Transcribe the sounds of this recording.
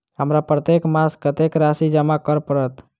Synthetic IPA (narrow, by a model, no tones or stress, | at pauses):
ɦəmɾapɾət̪ekmaskət̪ekɾasid͡ʒəmakəɾpəɾət̪